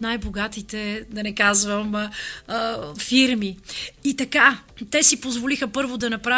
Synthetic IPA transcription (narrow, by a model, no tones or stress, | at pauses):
najboɡat̪it̪ɛd̪ɐnɛkazvəm | fiɾmiit̪ɐkat̪ɛsipozvolixəpɤɾvod̪ɐnɐpɾa